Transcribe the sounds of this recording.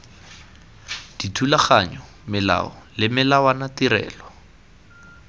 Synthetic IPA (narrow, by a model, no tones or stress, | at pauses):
d̥itʰulaχaɲɔ | mɪla̰ɔlɪmɪlawanatiɾɛ̰ːlɔ